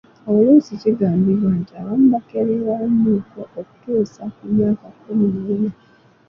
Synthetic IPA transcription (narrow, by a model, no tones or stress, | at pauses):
aolusiciɡaːmbiβwantiaβamubakeɾeɾanuːkoʔoku̥tuːsakumjaːkakːuminiina